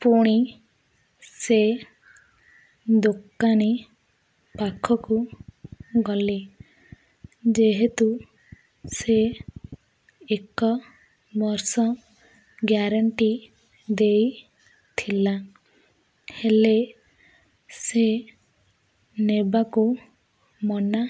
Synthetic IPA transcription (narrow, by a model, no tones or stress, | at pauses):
puɽ̃i | se | d̪okːani | pakʰɔku | ɡɔli | d͡ʒeɦet̪u | se | ekɔ | bɔɾsɔ | ɡjaɾaɳʈi | d̪ej | t̪ʰila | hele | se | nebaku | mɔna